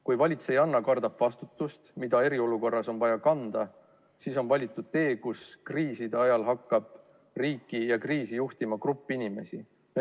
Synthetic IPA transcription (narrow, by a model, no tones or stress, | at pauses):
kujvɑlʲit̪se̞jɑnːɑkɑrd̪ɑb̥vɑst̪ut̪ːˑust̪mid̪̥ɑe̞ɾio̞luko̞rːɑso̞nvɑjɑkɑnd̪̥ɑ | siːso̞nvɑlʲit̪ˑːud̪̥̚t̪e̞ːkuskriːsid̪̥e̞ɑjɑlɦɑkːɑb̥̚ | riːkːˑijɑkriːsijuht̪imɑkrupːˑinime̞si